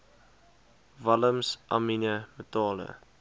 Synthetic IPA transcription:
vɐləmsʔɑ̰minəmətɑːlə̰

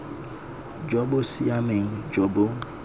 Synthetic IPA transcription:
d͡ʒɔbosiameŋ̩d͡ʒɔbo

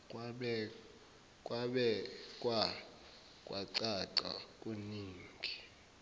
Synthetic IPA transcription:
ɓɛ | kʼwaɓɛkʼwa | kʼwaǀaǀa̰kʼuniːŋɡʱi

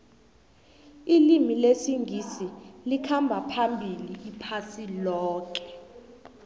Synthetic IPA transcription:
ilimilesiŋʱisilikʰambʱapʰambʱiliːpʰasilɔːk̬ʼɛ̥

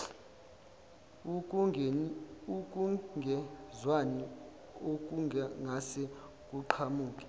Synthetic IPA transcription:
uk̬ʼuɡʱɛzwani | ok̬uŋaŋasɛ | k̬ʼuǃʰamuːkʼɛ̥

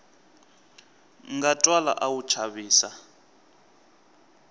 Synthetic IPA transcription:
ŋɡatʼwala̰ʔawut͡ʃʰaβiːsa

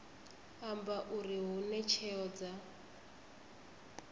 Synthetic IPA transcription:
ambaʔuɾiɦunɛt͡ʃʰɛɔd͡za

